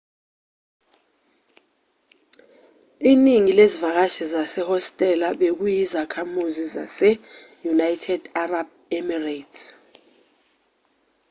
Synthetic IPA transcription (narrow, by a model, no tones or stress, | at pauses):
iːniŋilezivak̬aʃizasɛhɔstʼɛlaɓek̬ujizakʰamuziza̰sɛjunajtʰɛd̥arab̚ | ɛmirat